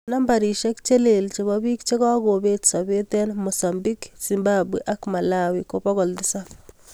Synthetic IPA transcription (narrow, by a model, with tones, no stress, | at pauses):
na˦mba˨ɾi˨ʃɛ˦kt͡ʃe˦le˨lt͡ʃe˨bɔ˦bi˦kt͡ʃe˦ka˦ɡo˨be˦tsa˨be˦tɛ˦nmo˨sa˨mbi˦ksi˨mbabu˨ʔa˦kma˨la˦wiko˦pɔ˦ɡɔ˨ldɪsa˦